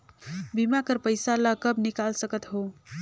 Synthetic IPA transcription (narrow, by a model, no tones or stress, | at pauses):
bimakəɾpəjsalakəbnikalsəkət̪ɦo